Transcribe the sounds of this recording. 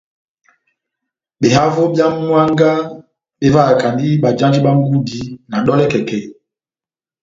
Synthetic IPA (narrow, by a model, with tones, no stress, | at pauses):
ɓe˨ɦa˦vo˦bja˦mwa˦ŋɡa˦ | ɓe˦va˦˨ka˨ndi˦ɓa˨d͡ʒa˦nd͡ʒi˦ɓa˦ŋ˦ɡu˦di˦na˨ɗɔ˦lɛ˦kɛ˨kɛ˦˨